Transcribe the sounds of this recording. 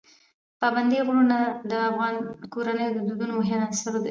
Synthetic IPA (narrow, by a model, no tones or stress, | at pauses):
pɑband̪iɣɽunad̪əafɣɑnkoɾanəjod̪əd̪ud̪unomoɦɪmasaɾod̪ə